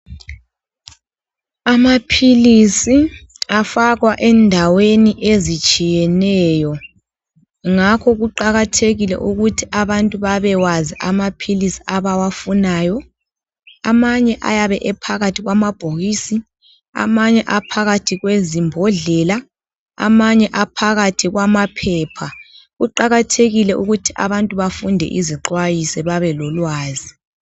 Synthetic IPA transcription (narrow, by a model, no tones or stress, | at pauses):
amapʰilisi | afaɣwaʔɛndʱaweniʔezit͡ʃʼijɛnɛːjɔ | ŋakʰɔɣuǃaɣatʰeɣilɛ̰ʔuɣutʰiʔaβantʼuβaβɛwaziʔamapʰilisi̥aβawafunaːjɔ | amaɲɛʔa̰jaβɛʔɛpʰaɣatʰiɣwamab̥ʱoɣiːsi | a̰maɲɛʔapʰaɣatʰiɣwezimbʱɔɮɛla | a̰maɲɛʔapʰaɣatʰiɣwamapʰɛːpʰa | ɣuǃaɣatʰeɣilɛʔuɣutʰiʔa̰βantʼuβafundʱɛ̰ʔiziǃwajisɛβaβɛlɔlwaːzi